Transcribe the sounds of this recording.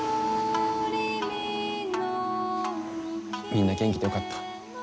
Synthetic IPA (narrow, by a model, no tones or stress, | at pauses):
n | mʲĩnːaɡẽ̞ŋk̬ʲi̥d̪ejo̞kat̪ːḁ